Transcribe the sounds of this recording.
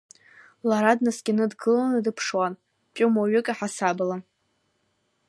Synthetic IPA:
laɾadnasɡʲanɨdɡɨlanadɨpʰʂwan | pʼʊmaɥɪkʼaħasabla

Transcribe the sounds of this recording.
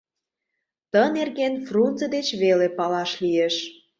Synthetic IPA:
t̪ənerɣenfrunt͡səd̪et͡ɕβelepɑlɑʃlieʃ

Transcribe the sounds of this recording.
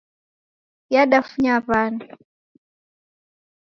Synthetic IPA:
jaɗafuɲaβani

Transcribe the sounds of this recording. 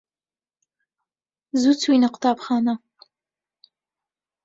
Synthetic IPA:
zut͡swinaqt̪ɑːpxɑːna

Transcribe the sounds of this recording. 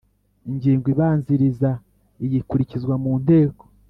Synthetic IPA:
iɲɟiːŋɡwiβaːnziɾiza | ijikuɾicizɡwamuːn̥de̞ːko̥

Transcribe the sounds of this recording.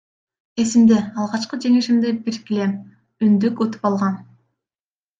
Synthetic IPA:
e̞simd̪eɑlˠʁɑt͡ʃqɯd͡ʒe̞ŋiʃimd̪ebiɾkile̞m | ynd̪ykut̪u̥pɑlˠʁɑn

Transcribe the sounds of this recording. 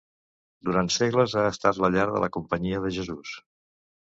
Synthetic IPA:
d̪uɾant̪seɣləzaəst̪at̪ləʎaɾðə̰lʔə̰kumpəɲiəðəʒəzus

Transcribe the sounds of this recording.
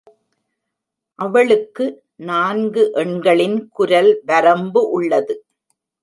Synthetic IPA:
ʔɐʋɐɭɯkːɯ | naːnɡɯʔɛɳɡɐɭɪnkʊɾɐlʋɐɾɐmbɯʔʊɭːɐðɯ

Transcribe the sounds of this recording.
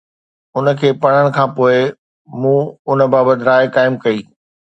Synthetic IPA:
ʊnəkʰeːpɐɽ̤̃əɽ̃kʰãːpoːɪ | mũːʊnəbaːbət̪ɪɾaːɪkaːɪmkɐiː

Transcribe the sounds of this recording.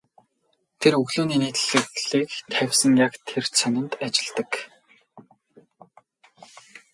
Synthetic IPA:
t̪ʰerɵɣɮuːniːneːt̪ɘ̆ɮɘ̆ɮiːkt̪ʰæwʲsə̆ŋjakt̪ʰert͡sʰœnɪ̆nt̪at͡ɕɪ̆ɮt̪ə̆k

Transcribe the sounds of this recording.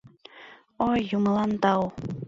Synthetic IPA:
ojːumɤlˠɑnt̪ɑw

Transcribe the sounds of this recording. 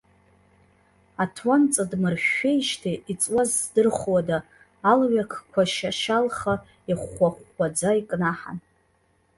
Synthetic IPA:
atʰwant͡sʼadmɨrʃᶣejʃtʰiʔit͡sʼwazdɨrχʷwadaː | lɥakʰkʷʰaʃaʃalχa | iχʷaχʷːad͡zaikʼnaħa̰n

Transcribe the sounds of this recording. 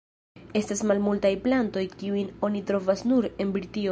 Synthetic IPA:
e̞stasmalmultajplanto̞jkiujno̞nitɾo̞vasnuɾe̞nbɾitio

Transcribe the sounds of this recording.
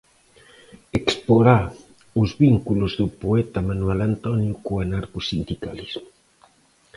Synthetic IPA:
ekspoɾa | ʊzβiŋkuluzðupoɛt̪amanwelant̪ɔnjukoanaɾkusind̪ikalizmʊ

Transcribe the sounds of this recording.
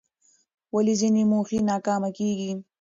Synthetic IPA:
walizinimuxinɑːkɑːmakeːɡi

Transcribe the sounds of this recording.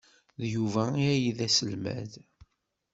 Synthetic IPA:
ðjuvæiæjiðæsəlmæ̰ð

